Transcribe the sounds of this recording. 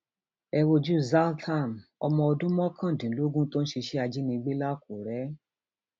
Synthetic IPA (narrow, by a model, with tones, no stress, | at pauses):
ɛ˧wo˧d͡ʒu˦za˦ltʰa˦˨mɔ˧mɔ̃˧ɔ˧dũ˦mɔ̃˦kʰã˦˨dĩ˨˦lo˦ɡũ˦to˦n̩˦ʃi˧ʃe˦a˧d͡ʒi˦nĩ˧ɡ͡be˦la˦ko˨ɾɛ˨˦